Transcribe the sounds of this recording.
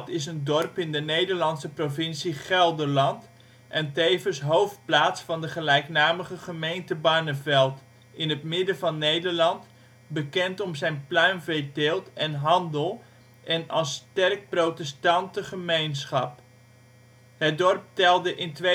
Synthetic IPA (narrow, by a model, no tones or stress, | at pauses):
tɪsəndɔrpɪndənejdəɹlɑnsəprovɪnsiχɛlˠdəɹlɑnt | ʔɛntejvənsɦowft̚plaːtsfɑndəχəlɛjknaːməχəχəmejntəbaːnəvɛlˠt | ɪnɦətmɪdəvɑnːejdəɹlɑnt | bəkɛntɔmzɛjnplœɥnvɛdɪlˠtɛnɦɑndəlˠ | ʔɛnɑlˠstɛrk̚prowtɛstɑntəχəmejnsχɑp | ɦət̚dɔrp̚tɛlˠdəʔɪntʋe